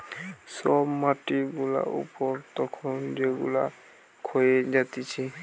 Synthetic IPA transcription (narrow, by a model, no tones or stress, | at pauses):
sɔbmːatibula̰ṵpɔɹtɔkʰɔnzeɡula̰ | kʰojɛzat̪isʰɛ